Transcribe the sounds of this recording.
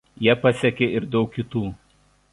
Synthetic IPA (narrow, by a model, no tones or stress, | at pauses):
jiɛpɐsʲɛkʲeɪɾd̪ʲɛʊkʲːɪt̪uː